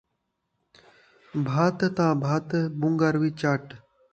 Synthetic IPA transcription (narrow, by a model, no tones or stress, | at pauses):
bʱaːt̪t̪ãːbʱaːt̪bũŋɡaɾwiːt͡ʃaːʈ